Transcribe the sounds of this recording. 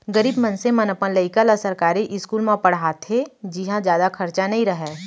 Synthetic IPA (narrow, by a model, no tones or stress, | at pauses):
ɡəɾiːbmɐ̃nsẽmɐnəpənləɪkələsəɾkaːɾiʔɪskuːlmãpɐɽ̤aːt̪ʰed͡ʒɪɦãd͡ʒjaːd̪akʰɐɾt͡ʃanɐɦĩɾɐɦɛː